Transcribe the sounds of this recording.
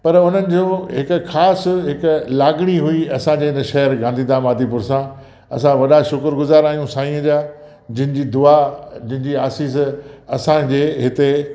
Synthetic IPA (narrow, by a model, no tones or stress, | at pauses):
pɐɾʊn̤ənɪ̆d͡ʑõːɦɪkʊ̆xaːsɦɪklaːɡɽ̃iɦʊiɐsãd͡ʑeːɪnəʃɐɦəɾɡãːnd̪id̪ãːmaːd̪ipʊɾsã | ɐsãʋɐɗaʃʊkəɾɡʊzaːɾaːɦijũsaːĩə̃d͡ʑaː | d͡ʑɪ̃ɦɪ̃d͡ʑiːd̪ʊad͡ʑɪ̃ɦɪ̃ɲd͡ʑiːaːsiːsɐsãd͡ʑeːɦɪt̪e